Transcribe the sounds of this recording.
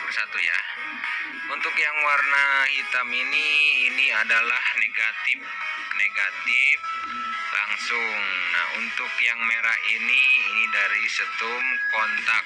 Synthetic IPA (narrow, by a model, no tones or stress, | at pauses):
bərsat̪uja̰ | unt̪ʊkjaŋwarnahit̪aminiːniadalahneɡat̪ɪf | neɡat̪ɪf | laŋsʊŋna̰hṵnt̪ʊkjaŋmeɾa̰iniːnidaɾisət̪ʊmkɔnt̪ak